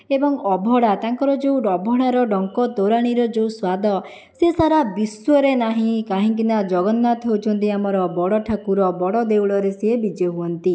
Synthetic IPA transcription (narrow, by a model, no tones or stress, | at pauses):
ebɔŋɔbʱɔɽat̪aŋkɔɾɔd͡ʒeuɔbʱɔɽaɾɔɖɔŋkɔt̪oɾaɽ̃iɾɔd͡ʒeuswad̪ʱɔ | sesaɾabiswɔɾenaɦĩkaɦĩk̬inad͡ʒɔɡɔnːat̪ɦowt͡ʃʰɔnt̪̬iamɔɾɔbɔɽɔʈʰakuɾɔbɔɽɔd̪ewɽɔɾesebid͡ʒɔɦuɔnt̪i